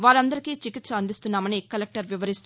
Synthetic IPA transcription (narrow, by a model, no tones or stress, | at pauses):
ʋaːɾɐnd̪ɐɾikiːt͡ʃikit̪sɐɐnd̪ist̪unːaːmɐnikɐlek̚ʈɐɾʋiʋɐɾist̪u